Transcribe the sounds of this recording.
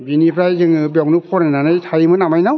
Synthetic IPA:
binipʰɾajzɯŋɯbaknɯpʰɔɾananɯjtʰajmɯnamajnaw

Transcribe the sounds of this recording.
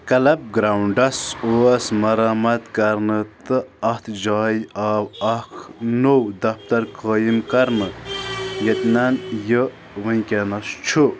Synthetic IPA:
kɐlɐb̚ɡɾawɳɖɐsoːɐsmɐɾaːmɐt̪kɐɾnɨt̪ɨɐht̪ʰd͡ʒaːjiaːwɐkʰnowd̪ɐft̪ɐɾkɐːjimkɐɾnɨ | jet̪nɐnjə | ʋɨj̃kʲenɐst͡ʃʰu

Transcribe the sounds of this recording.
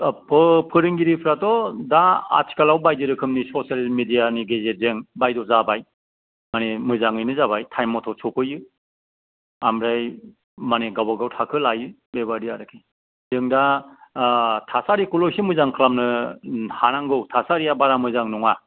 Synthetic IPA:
pʰɯpʰɯɾɯŋɡiɾipʰɾatɔdaa̰tʰi̥kalawbajdɯɾɯkʰɯmnisɔsalmedijaniɡezezeŋbajdɔzabaj | manemɯzaŋɯjnɯzabajtʰajmɔtʰɔsʰɔpʰɯjɯ | amɾaj | maneɡawbaɡawtʰakʰɯlajɯ | beβadiaɾɯkʰi | zɯŋda | tʰasaɾikulɔjsimɯzaŋkʰlamnɯhanaŋɡɯwtʰasaɾijabaɾamɯzaŋnɔŋa

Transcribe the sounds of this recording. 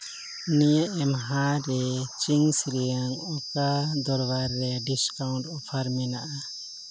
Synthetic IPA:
nijaʔɛmɦãɾɛt͡ʃiŋsiɾijaŋɔkad̪ɔɾbaɾːɛɖiskawuɳʈɔpʰaɾmɛnaʔa

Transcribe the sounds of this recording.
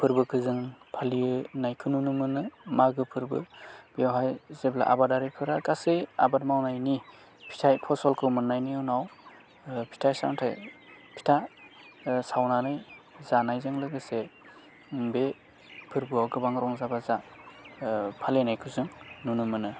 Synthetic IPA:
pʰɯɾbɯkʰɯzɯŋpʰalinajkʰɯnunɯmɯnɯmaɡɯpʰɯɾbɯb̥iawɦajzebla̰ʔa̰badaɾipʰɯɾakasɯja̰batmawnajni | pʰi̥tʰajpʰɔsɔlkʰɯmɯnːajniɯnaw | pʰi̥tʰajsa̰wntʰaj | pʰi̥tʰa | sawnanɯjzanajzɯŋlɯɡɯse | be | pʰɯɾbɯawɡɯbaŋɾʔɔŋzabaza | pʰalenajkʰɯzɯŋnunɯmɯnɯ

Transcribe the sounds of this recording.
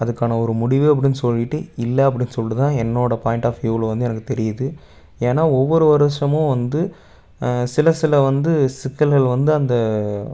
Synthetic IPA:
ɐðɯkːaːnɐɔɾɯmʊɽɪʋɯɐp̬ːɐɽɪnːɯsɔlːɪʈːɯɪlːɐɐp̬ːɐɽɪnːɯsɔlːɯt̪ãːɛnːoːɽɐpaːjɪɳʈaːfjuːlʋɐnd̪ɯɛnɐkːɯt̪ɛɾɪjɐðɯ | eːnaːɔʋːɔɾɯʋɐɾɯʂɐmõːʋɐnd̪ɯ | sɪlɐsɪlɐʋɐnd̪ɯsɪkːɐlɣɐɭʋɐnd̪ɯɐnd̪ɐ

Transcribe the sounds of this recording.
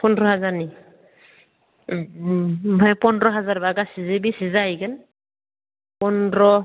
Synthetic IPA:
pɔndɹɔɦazani | bʱajpɔndɹɔɦazaɹbaɡasizebisizaikɯn | pɔnɹɔ

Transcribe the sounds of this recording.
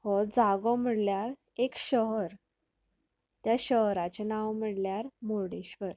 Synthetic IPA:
hɔd͡zaɡɔm̤əɽljaɾ | ekɕəɦəɾ | t̪jaɕəɦɾat͡ɕenãwm̤əɽljaɾmoɽeɕʋəɾ

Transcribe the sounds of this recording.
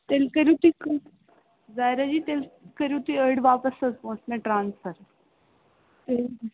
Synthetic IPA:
t̪elkəɾjũt̪iːk | zaːjɾad͡ʑiːt̪elkəɾjũt̪iəɽʋaːpəsəzpõːsmẽʈɾaːnsfəɾ | e

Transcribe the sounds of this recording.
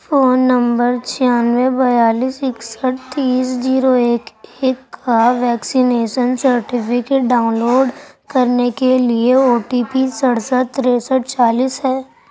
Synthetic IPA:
foːnːə̃mbəɾt͡ʃʰijaːnʋebɐjaːliːsɪksəʈ̚t̪iːsziːɾoeːkeːkːaʋɛːksineːʃənsəɾʈɪpʰɪkeʈ̚ɖaːʊ̃nloːɖ | kɐɾnekelieoːʈipisəɽsəʈt̪ːɾeːsəʈ̚t͡ʃaːliːsɦɛː

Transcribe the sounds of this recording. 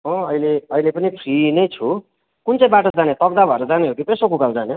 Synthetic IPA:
ɔ̃ʌileʌilepʌnipʰrinʌjt͡sʰu | kunt͡sʌĩbaʈod͡zanet̪ʌk̚d̪abʱʌeɾʌd͡zaneɦokopesokukald͡zane

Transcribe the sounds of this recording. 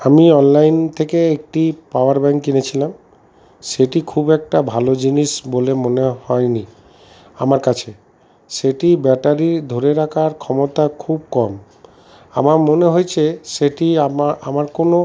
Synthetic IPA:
amiɔnlajnt̪ʰekeek̚ʈipawaɾbɛŋkkinet͡ɕʰilam | ʃeʈikʰubɛk̚ʈabʱalod͡ʑiniʃbolemonehɔeni | amaɾkat͡ɕʰe | ʃeʈibɛʈaɾid̪ʱoɾeɾakʰaɾkʰɔmot̪akʰub̚kɔm | a̰maɾmoneɦojt͡ɕʰeʃeʈiaamaɾkono

